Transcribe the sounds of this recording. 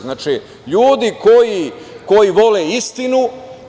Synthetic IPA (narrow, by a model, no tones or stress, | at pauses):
znaːt͡ʃi | ʎuːd̪iko̞ji | ko̞jiʋo̞leist̪inu